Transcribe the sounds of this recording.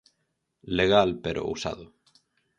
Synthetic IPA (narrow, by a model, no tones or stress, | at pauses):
leɣ̞alpeɾʔo̰usa̰ðo